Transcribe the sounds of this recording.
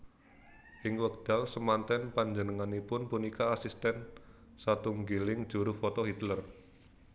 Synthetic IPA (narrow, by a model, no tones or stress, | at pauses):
ʔɪŋwək̚d̪̥a̤lsəmant̪ɛnpaɲd͡ʒənəŋanipʊnpunikaːsist̪ɛn | sat̪uŋɡilɪŋd̥ʒ̥ṳɾʊfɔt̪ɔɦit̪lər